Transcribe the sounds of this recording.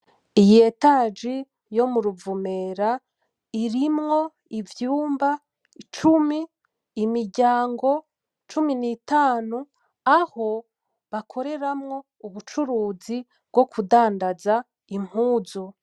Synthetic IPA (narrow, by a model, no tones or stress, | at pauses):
ije̞taːd͡ʒi | jo̞muɾuvumeɾa | iɾimŋo̞ | ivjuːmba | it͡ʃumiː | miɾɟaːŋɡo̞ | t͡ʃuminitaːnu | aho̞ | βakʰo̞ɾe̞ɾamŋo̞ | uβut͡ʃuɾuːzi | bɡo̞kʰudaːndaza | im̥huːzu